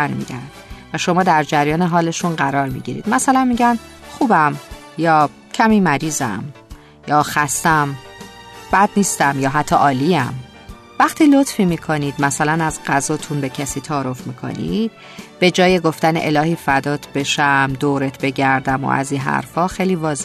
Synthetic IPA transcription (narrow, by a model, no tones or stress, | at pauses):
ænmḭːd̪ænd̪̥væʃo̞mɒːd̪æɾd͡ʒæɾjɒːneɦɒːle̞ʃunɢæɾɒːɾmḭɟiɾḭd̪̥mæsælænmiɟænxuːbæm | jɒː | cʰæmiːmæɾiːzæ̰m | jɒːxæst̪æm | b̥æd̪niːst̪æmjɒːɦæt̪ʰːɒʔɒːliːæm | væχt̪ʰiːlo̞t̪fiːmiːkʰo̞niːd̪mæsælænæzɢæzɒːt̪ʰunbe̞cʰæsiːt̪ʰɒːɾofmiːkʰo̞̰nḭd̪̥̚ | b̥e̞d͡ʒɒːje̞ɡo̞ft̪ænḛʔelɒːhiːfæd̪ɒːt̪ʰb̥e̞ʃæmd̪oːɾet̪ʰbe̞ɟæɾd̪æmo̰ʔæ̰zinɦæ̰ɾfɒːxejliːvɒːze